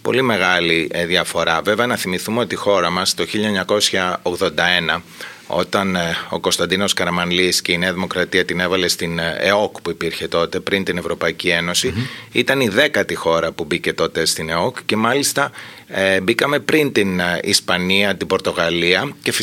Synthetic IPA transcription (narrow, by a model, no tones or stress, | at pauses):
po̞̰lime̞ɣɐliðjɐfo̞ɾɐve̞veɐnɐθimiθumeo̞t̪ixo̞ɾɐmɐst̪o̞çiʎɐeɲɐko̞sçɐoɣðo̞nd̪ɐe̞nɐ | o̞̰t̪ɐno̞̰ko̞st̪ɐnd̪ino̞skɐɾɐmɐnlisce̞ineɐðimo̞kɾɐt̪iɐt̪ine̞vɐle̞st̪inḛo̞kpuipiɾçe̞t̪o̞t̪e̞pɾint̪ine̞vɾo̞pɐicie̞no̞siit̪ɐniðe̞kɐt̪ixo̞ɾɐpubice̞t̪o̞t̪e̞st̪ine̞o̞kcːe̞mɐlist̪ɐ | ebikɐme̞pɾint̪inḭspɐniɐt̪ibo̞ɾt̪o̞ɣɐliɐce̞f